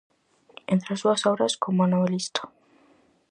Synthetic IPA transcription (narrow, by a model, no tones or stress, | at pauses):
ent̪ɾeasduasowɾaskomanoβelist̪o̥